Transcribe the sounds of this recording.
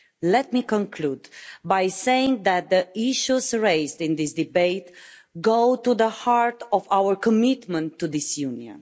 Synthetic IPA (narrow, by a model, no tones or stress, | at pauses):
lɛt̪̚mikɔ̃nkʰlud̪bajsejɪ̃ŋðæt̪̚d̪əiʃuzɹeɪzdĩndisd̪ibeɪt̪ɡoʊtuðəhaɹtɔvawəɹkɔmit̪mə̃ntːuðisjuniə̰̃n